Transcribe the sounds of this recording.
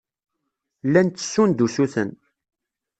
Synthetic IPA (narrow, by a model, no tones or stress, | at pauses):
lːænt͡s̪ːə̥sːund̪usuθə̰n